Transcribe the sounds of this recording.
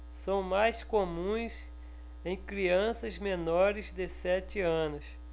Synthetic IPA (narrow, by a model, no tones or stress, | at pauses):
sɐ̃w̃majskomũj̃s | ẽj̃kɾiɐ̃sɐzmenɔɾɪzd̪ɪsɛt͡ʃɪɐ̃nʊs